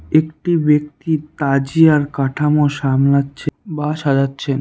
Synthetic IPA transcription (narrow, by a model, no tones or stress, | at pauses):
ekʈibek̚t̪it̪ad͡ʑiaɾkaʈʰamoʃamlatːɕʰebaʃad͡ʑatːɕʰen